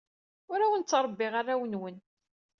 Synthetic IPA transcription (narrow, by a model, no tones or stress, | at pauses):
ʊɾawənt͡sːɾˤəbːɪʁarawənwən